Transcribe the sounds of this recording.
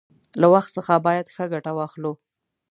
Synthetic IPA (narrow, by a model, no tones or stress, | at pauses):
lawaxt̪səxabɑjad̪xəɡaʈawɑxlu